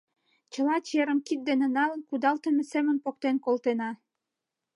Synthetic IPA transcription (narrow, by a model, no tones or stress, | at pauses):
t͡ɕə̆lɑt͡ɕeɾəmkit̪̚d̪enenɑlənkud̪ɑlt̪ə̆mĕsemənpok̚t̪enkolt̪enɑ